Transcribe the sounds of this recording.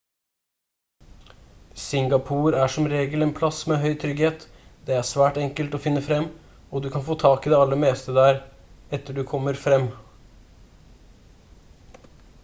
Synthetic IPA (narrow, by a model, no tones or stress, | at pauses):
sɪŋɡɑpʰuːɾæʂɔmɾeːɡəlɛnpʰlɑsmeɦœʏt̪ʰɾʏɡheːt̪ | d̪ɛæʂʋæːʈɛŋkəlt̪ɔfɪnːəfɾɛmː | ɔd̪ʉkʰɑnfoːt̪ʰɑːkiːd̪ɛɑlːəmeːst̪əd̪æːɾ | ɛt̪ːəɖʉkʰɔmːəɾfɾɛmː